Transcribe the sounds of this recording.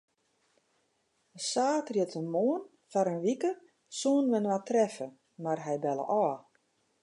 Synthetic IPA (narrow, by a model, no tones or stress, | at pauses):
əsaːtrjətʰənmoən | faɾənʋikə | soːnʋɪnəʋatrɛfə | marɦɛjbɛlə̰ʔɔː